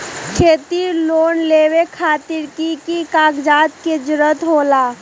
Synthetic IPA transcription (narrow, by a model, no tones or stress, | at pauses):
kʰeːt̪iloːnleːwekʰaːt̪ɪɾkikikaːɡd͡ʒaːt̪ked͡ʒʊɾət̪ɦoːlaː